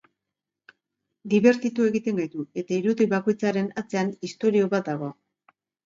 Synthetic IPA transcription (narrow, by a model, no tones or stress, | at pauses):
d̪iβe̞ɾt̪it̪ue̞ɣit̪e̞ŋɡajt̪ue̞t̪aiɾuðiβako̞jt͡saɾe̞nat͡se̞anist̪o̞ɾio̞βat̪̚d̪aɣ̞o̞